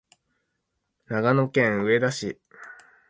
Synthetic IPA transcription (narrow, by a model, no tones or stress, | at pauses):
naɡano̞kẽ̞ɰ̃ɯ̟e̞d̪aɕi